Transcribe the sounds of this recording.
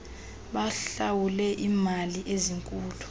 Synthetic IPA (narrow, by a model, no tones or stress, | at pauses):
ɓaɬawulɛʔimaliʔeziŋkʼuːtʰu̥